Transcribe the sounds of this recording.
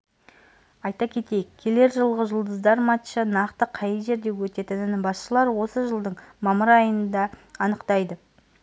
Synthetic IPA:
ɑjt̪ɑkʲʰe̞t̪e̞jɪkʲʰːe̞le̞ɾʒəlˠʁəʒəlˠd̪əzd̪ɑɾmɑt̪ʃənɑqt̪əqʰɑjəʒe̞ɾd̪e̞wɵt̪e̞t̪ɪnɪnbɑsʃəlˠɑɾwo̞səʒəlˠd̪əɴmɑməɾɑjənənd̪ɑːnəqt̪ɑjd̪ə

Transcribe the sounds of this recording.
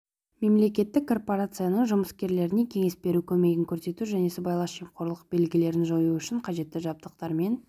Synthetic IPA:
me̞mle̞kʲe̞t̪ːɪkkʰːo̞rpo̞ɾat̪sɨjanəɴʒʊməskʲe̞ɾle̞ɾɪne̞kʲʰe̞ŋe̞sbe̞ɾukʲʰɵme̞ɡʲɪŋkʲʰɵɾse̞t̪uʒæne̞səbɑjlˠɑsʃijmqo̞ɾlˠəq̚be̞lɡʲɪle̞ɾɪnʒojuʏʃɪɴqʰɑʒe̞t̪ːɪʒɑb̚t̪əqt̪ɑɾme̞n

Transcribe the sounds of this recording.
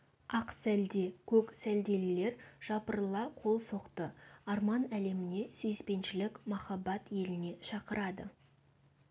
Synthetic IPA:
ɑqsæld̪e̞kʲʰɵksæld̪e̞lɪle̞ɾʒ̥ɑpəɾlˠɑqʰo̞lˠso̞qt̪əɑɾmɑnæle̞mɪne̞sʏjspe̞nʃɪlɪkmɑχɑbɑt̪je̞lɪne̞ʃɑqəɾʔɑd̪ə̰

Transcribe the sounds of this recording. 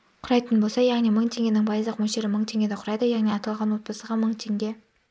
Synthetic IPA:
qʰʊɾɑjt̪ənbo̞lˠsɑjɑʁnijməɴt̪ʰe̞ŋɡʲe̞nɪŋbɑjzlˠəqmɵʃe̞ɾɪməɴt̪ʰe̞ŋʲɡʲe̞d̪eqʰʊɾɑjd̪əjɑʁnijɑt̪ɑlˠʁɑnwo̞t̪̚bɑsəʁɑməɴt̪ʰe̞ŋɡʲe̞

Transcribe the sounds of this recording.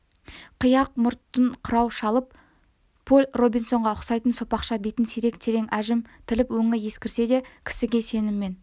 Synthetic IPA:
qʰəjɑq̚mʊɾt̪ːəɴqʰʊɾɑwʃɑlˠəp | pʰːolʲro̞bijnso̞ɴʁɑʊqsɑjt̪ənso̞pɑqʃɑbejt̪ɪnsiɾe̞kt̪ʰeɾe̞ŋæʒɪmt̪ʰɪlɪpwɵŋɪjeskʲɪɾse̞d̪e̞kʲʰɪ̥sɪɡʲe̞se̞nɪmːe̞n

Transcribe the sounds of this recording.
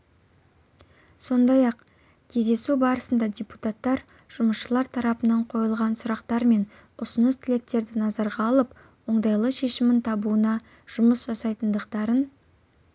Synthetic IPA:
so̞nd̪ɑjɑq | kʲʰe̞zd̪e̞subɑɾəsənd̪ɑdʲeput̪at̪ːɑɾ | ʒ̥ʊməsʃəlˠɑɾt̪ʰɑɾɑpənɑɴqʰo̞jəlˠʁɑnsʊɾɑqt̪ɑɾme̞n | ʊsʊnəst̪ʰɪle̞k̚t̪e̞ɾd̪ɪnɑzɑɾʁɑːlˠəp | wo̞ɴd̪ɑjlˠəʃe̞ʃɪmɪnt̪ʰɑbuənɑ | ʒ̥ʊməsʒɑsɑjt̪ənd̪əqt̪ɑɾən

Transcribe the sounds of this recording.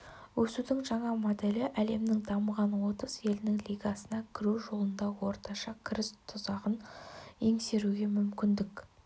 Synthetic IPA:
wɵsud̪ɪŋʒɑɴɑmod̪e̞lɪʔæle̞mnɪŋd̪ɑməʁɑnwo̞t̪əsje̞lɪnɪŋlʲijɡɑsənɑkʲʰɪɾuʒo̞lˠənd̪ɑwo̞ɾt̪ɑʃɑkʲʰɪɾɪst̪ʰʊzɑʁəneŋse̞ɾuɡʲe̞mʏmkʲɪnd̪ɪk

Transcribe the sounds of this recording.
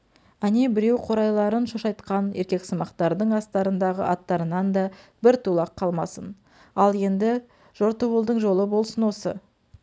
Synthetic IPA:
ænebɪɾe̞wqʰo̞ɾɑjlˠɑɾənʃoʃɑjt̪qɑne̞ɾkʲe̞ksəmɑqt̪ɑɾd̪əɴɑst̪ɑɾənd̪ɑʁə̰ʔɑt̪ːɑɾənɑnd̪ɑbɪɾt̪ʰulˠɑqʰːɑlˠmɑ̰sən | ɑlˠje̞nd̪ɪ | ʒ̥o̞ɾt̪owəlˠd̪əɴʒo̞lˠəbo̞lˠsənwo̞sə̰

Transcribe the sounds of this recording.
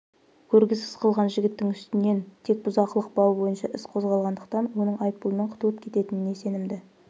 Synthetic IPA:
kʲʰɵɾɡʲɪzɪzqʰəlˠʁɑnʒɪɡʲɪt̪ːɪŋʏst̪ɪnːe̞nt̪ʰe̞k̚bʊzɑqəlˠəq̚bɑwbo̞jənʃɑʔɪsqʰo̞zʁɑlˠʁɑnd̪əq̚t̪ɑnwo̞nəɴɑjp̚pʊlˠənəɴqʰʊ̥t̪uləp̚kʲʰe̞t̪e̞t̪ɪnɪne̞se̞nɪmd̪ɪ

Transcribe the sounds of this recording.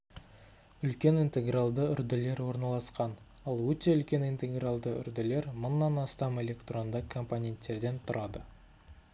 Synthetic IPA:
ʏlkʲe̞nint̪e̞ɡralˠd̪əʏɾd̪ɪle̞ɾwo̞ɾnɑlˠɑsqɑn | ɑlˠwɵt̪e̞ʏlkʲe̞nint̪e̞ɡralˠd̪əʏ̰ɾd̪ɪle̞ɾmʊnːɑnɑst̪ɑme̞lʲe̞kt̪ro̞nd̪əkʰo̞mponʲe̞nt̪ːe̞ɾd̪e̞nt̪ʰʊɾɑd̪ə

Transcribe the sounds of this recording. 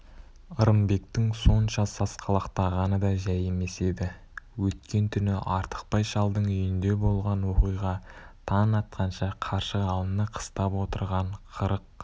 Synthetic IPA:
əɾəmbe̞kt̪ɪŋso̞nʃɑsɑsqʰɑlˠɑqt̪ɑʁɑnəd̪ɑʒæje̞me̞se̞d̪ɪ | wɵt̪kʲe̞nt̪ʰʏnɪʔɑɾt̪ə̥q̚pɑjʃɑlˠd̪əɴʏjɪnd̪e̞bo̞lˠʁɑnwo̞qijʁɑt̪ʰɑnɑt̪̚qʰɑnʃɑqʰɑɾʃəqɑlˠənəqʰə̥st̪ɑpwo̞t̪əɾʁɑɴqʰəɾəq̚

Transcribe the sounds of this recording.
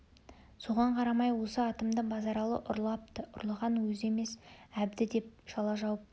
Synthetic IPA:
so̞ʁɑɴqʰɑɾɑmɑjwo̞səɑt̪əmd̪əɴbɑzɑɾɑlˠə̰ʔˠɑp̚t̪ʊ̰ɾlˠəʁɑnwɵze̞me̞sæb̚d̪ɪd̪e̞p̚ʒ̥ɑlˠɑʒɑwəp̚

